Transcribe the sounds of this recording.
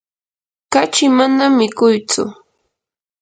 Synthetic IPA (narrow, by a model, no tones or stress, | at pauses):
kat͡ʃɪmanamːɪkʊjt͡sʊ̰